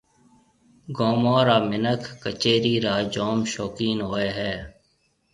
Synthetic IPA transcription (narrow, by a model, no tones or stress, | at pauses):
ɡoːmoːɾaːmɪnəkʰːət͡ʃeːɾiːɾaːd͡ʒoːmʃoːkiːnɦoːeːɦɛː